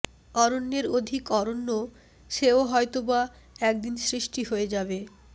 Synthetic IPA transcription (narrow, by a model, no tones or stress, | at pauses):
ɔɾonːeɾod̪ʱikɔɾonːo | ʃeoɦɔet̪oba | ɛk̚d̪insɾiʃʈiɦoed͡ʑabe